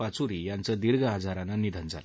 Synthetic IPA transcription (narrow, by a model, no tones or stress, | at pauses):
at͡suɾijant͡səd̪iɾɡəad͡zʱaɾananid̪ʱənd͡za̰l